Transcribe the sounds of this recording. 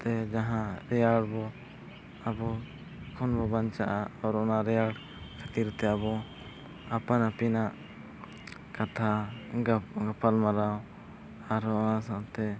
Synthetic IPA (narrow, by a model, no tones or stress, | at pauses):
t̪ɛd͡ʒaɦãɾɛjaɽbɔ | abɔ | kʰɔnbɔbaɲt͡ʃaʔaɔɾɔnaɾɛjaɽ | kʰat̪iɾt̪ɛabɔ | apanapinaʔ | kat̪ʰa | ɡapʰalmaɾaw | aɾɔnasãt̪ɛ